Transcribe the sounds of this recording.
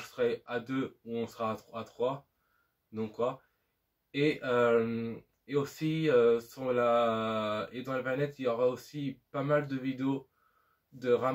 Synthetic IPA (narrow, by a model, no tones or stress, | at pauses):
səʁɛad̪øuɔ̃səʁaːt̪χat̪χwa | d̪ɔ̃kːwa | eʔøm | eosiøsɔ̃la | ed̪ɑ̃laplanɛt̪iljɔʁaosipamald̪əvid̪eo | d̪əʁa